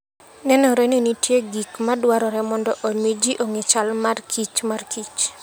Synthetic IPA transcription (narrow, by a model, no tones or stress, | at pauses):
nɛnɔɾɛnenitjeɡikmadwaɾɔɾɛmɔndɔʔomed͡ʒiʔoŋet͡ʃalmarkʰit͡ʃmarkʰit͡ʃ